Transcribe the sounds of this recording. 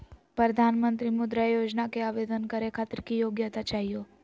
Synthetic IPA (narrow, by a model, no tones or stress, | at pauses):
pɾəd̪ʱanmənt̪ɾimʊd̪ɾajod͡ʒnakeaʋed̪ənkəɾekʰat̪ɾkijoɡjat̪at͡ʃaɦijo